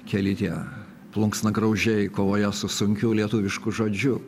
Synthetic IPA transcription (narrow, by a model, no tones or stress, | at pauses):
kʲɛlʲɪt̪ʲiɛ | plˠʊŋksnɐɡɾɐʊʒʲɛɪkoːʋoːjɛsʊsʊŋʲkʲʊlʲiɛt̪uːʋʲɪʃkʊʒoːd͡ʒʲʊ